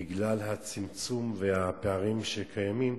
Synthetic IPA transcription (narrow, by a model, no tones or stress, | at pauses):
iɡlalɦat͡simt͡sumvehapeaʁimʃekʰajamim